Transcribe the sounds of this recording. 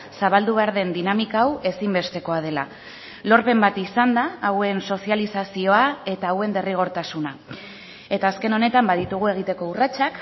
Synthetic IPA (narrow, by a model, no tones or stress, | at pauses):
saβald̪uβ̞e̞aɾðe̞nd̪inamikaːwe̞simbe̞st̪e̞ko̞að̞e̞la̰ | lo̞ɾpe̞mbat̪isand̪aːwe̞nso̞sialisasio̞ae̞t̪aːwe̞nd̪e̞riɣ̞o̞ɾt̪asuna | e̞t̪aːske̞no̞ne̞t̪ambaðit̪uɣ̞ue̞ɣ̞it̪e̞ko̞urat͡ʃak